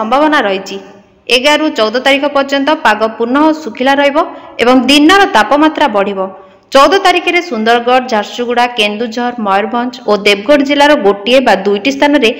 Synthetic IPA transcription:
ɔmbʱaβɔnaɾɔɦit͡ʃʰi | eɡaɾut͡ʃɔwd̪ɔt̪aɾikʰɔpɔɾd͡ʒɔnt̪ɔpaɡɔpuɾnɔɦɔsukʰilaɾɔɦibɔebɔŋd̪inːɔɾɔt̪apɔmat̪ɾabɔɽ̤ibɔ | t͡ʃɔwd̪ɔt̪aɾikʰiɾesund̪ɔɾɡɔɽd͡ʒʱaɾsuɡuɽakend̪ud͡ʒʱɔɾmɔjɔɾbʱɔnt͡ʃod̪eb̚ɡɔɽd͡ʒilaɾɔɡoʈiebad̪ujʈist̪ʰanɔɾe

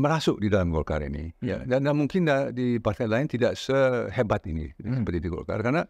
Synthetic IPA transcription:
məɾasʊʔdidalamɡɔ̰lka̰ɾḭnḭja̰dandanmuŋkɪndadipart̪alaɪnt̪idaʔsəhebat̪inḭsəpərt̪idiɡɔ̰lka̰rkaana

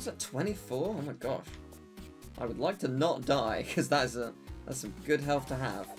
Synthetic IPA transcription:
zɨtʰw̥ɛ̃ɾ̃ifɔɹoʊmaɪɡɑ̰ʃ | ʔa̰ɪwədˡlaɪk̚tʰɨnət̚d̥aɪkʰʌzðəɾɨzəðæ̰tsɨɡʊd̚ɦɛlˠθtʰɨə̰v̥

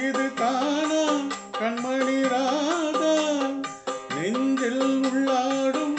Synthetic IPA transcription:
ɪðɯt̪aːnɐkɐɳmɐɳiɾaːðɐ | nɪɲd͡ʒɪlʊɭːaːɽɯm

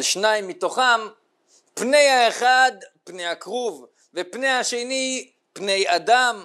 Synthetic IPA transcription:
lʃnaimːit̪o̞χam | pne̞jhaeχad̪pnejhakʁuv | vepnejhaʃe̞ni | pne̞jad̪am

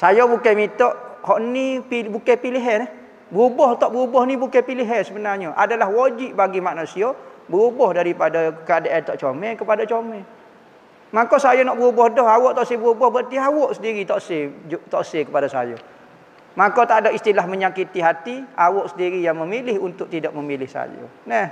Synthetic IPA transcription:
sajobukamit̪ɔʔhɔʔnipibukɛpiliɦɛnɛh | bəubɔht̪ɔʔbəɣubɔhnibukapiliɦɛnsəbənarɲɔʔa̰dalahwod͡ʒiʔbaɡimaʔnusiobəɾubɔhdaɾipadakəadaʔat̪ɔʔt͡ʃomɛkəpadat͡ʃomɛ | makosajonɔʔbəɣubɔhdɔhawɔʔt̪ɔʔsebəɾubɔhbərt̪iawɔʔsədiɾit̪ɔʔset̪ɔʔsekəpadasa̰jo̰ | makot̪adoʔist̪ilahməɲakit̪iɦat̪iawɔʔsəndiɾijaŋməmilɪhunt̪ʊʔ̚t̪idɔʔ̚məmilɪhsa̰jo̰nɛh

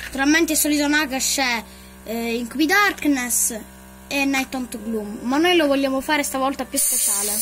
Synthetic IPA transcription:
nat̪uɾalmɛnt̪ɛsːɔlit̪onakaʃːɛ | iŋkuwid̪aɾknɛs | ɛnːajt̪ɔnt̪oɡlumːanːojlovɔlːaːmʊfaːɾɛst̪avɔlt̪apjuspɛt͡ʃaːle

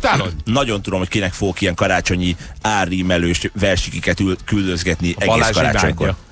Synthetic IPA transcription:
t̪anɒɟo̞nt̪ud̪o̞mho̞ckinɛkfoɡokiɛŋkɒɾaːt͡ʃo̞ɲiaːrːiːmɛløːʃvɛrʃikikɛt̪ykyld̪øzɡɛt̪niʔɛɡeaskɒɾa̰ːt͡ʃo̞̰ɲko̰

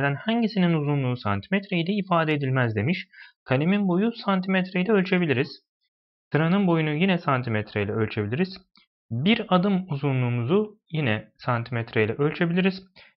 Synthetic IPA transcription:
d̪ænhaɲɟisininuzunlˠuːsant̪ʰi̥mɛt̪ɾeilʲɛifaːd̪eːd̪ilʲmæzd̪e̞miʃkʰalʲeminbo̞jusant̪ʰimɛt̪ɾejlʲɛølʲt͡ʃʰe̞bilʲiɾiz̥ | t̪ɯɾanɯnbo̞junujinɛsant̪ʰimɛt̪ʰɾejlʲɛølʲt͡ʃʰe̞bilʲiɾiz̥ | biɾad̪ɯmuzunlˠuːmuzujinɛsant̪ʰimɛt̪ʰɾejlʲɛʔø̞lʲt͡ʃʰe̞bilʲiɾiz̥

